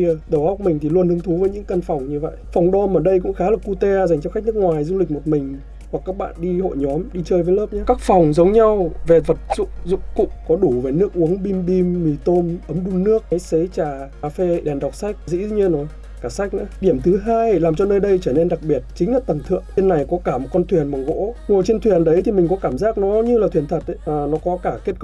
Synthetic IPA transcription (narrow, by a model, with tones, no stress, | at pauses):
i˧əɗə˧˩wha˦˥wk͡p̚mï˨˩ŋ̟t̪ʰi˨˩lu˧ənhɨ˨˧əŋt̪ʰu˨˦vəː˨˦jɲɨ̰˧˥ŋkə˧nfa˨˩wŋ͡mɲɨ˧və̰˧˨jʔfɔ˨˩wŋ͡mɗɔ˧mʔəː˧˩ɗə˧jkʊ̰˧˥ŋ͡mxaː˨˦laː˨˩ku˧t̪e˧a˧za˨˩ŋ̟t͡ɕɔ˧xk̟̚nɨ˦˥kŋwaː˨˩jzu˧lï˨˩k̟̚mo˨˩t̚mï˨˩ŋ̟ | hwa˨˩kːaː˦˥k̚ɓa̰ː˧˨nɗi˧ho̰˧˨jɲɔ˨˦mɗi˧t͡ɕəː˧jvəː˨˦ləː˦˥p̚ɲaː˨˦kaː˦˥k̚fɔ˨˩wŋ͡mzə˨˦wŋ͡mɲa˧wve˨˩və˨˩t̚zʊ̰˧˨ŋ͡mzʊ̰˧˨ŋ͡mkʊ̰˧˨ŋ͡mkɔ˨˦ɗu˧˩ve˨˩nɨ˦˥ək̚ʔu˨˦əŋɓi˧mɓi˧mːi˨˩t̪o˧mʔə˨˦mɗu˧nnɨ˦˥ək̚a˨˦jsə˨˦jt͡ɕaː˧˩kaː˧˩fe˧ɗɛ˨˩nɗa˨˩wk͡p̚sa˦˥jk̟̚zḭ˧˥˧ɲi˧nːɔ˨˦j | kaː˧˩sa˦˥jk̟̚na̰ː˧˥˦ɗi˧˩əmt̪ʰɨ˨˦ɦaː˧jlaː˨˩mt͡ɕɔ˧nəː˧jɗə˧jt͡ɕəː˧˩ne˧nɗa˨˩k̚ɓi˨˩ət̚t͡ɕï˨˦ŋza˦t̚t̪ə˨˩nt̪ʰɨ̰˧˨əŋi˧nːa˨˩jkɔ˨˦kaː˧˩mo˨˩t̚kɔ˧nt̪ʰwi˨˩ənma˨˩ɣo̰˧˥ŋu˨˩ət͡ɕe˧nt̪ʰwi˨˩ənɗə˨˦jt̪ʰi˨˩mï˨˩ŋ̟kɔ˨˦kaː˧˩mzaː˦˥k̚nɔ˨˦ɲɨ˧laː˨˩t̪ʰwi˨˩ənt̪ʰə˨˩t̚ːnɔ˨˦kɔ˨˦kaː˧˩ke˦˥ətk